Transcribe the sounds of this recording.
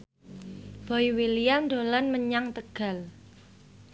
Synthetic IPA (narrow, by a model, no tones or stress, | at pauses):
b̥ɔiwilijamd̪olanməɲaŋt̪əɡ̥a̤l